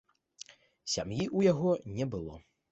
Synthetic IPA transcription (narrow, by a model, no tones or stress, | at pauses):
sʲamjiʔujaɣɔnʲɛbɨlˠɔ̰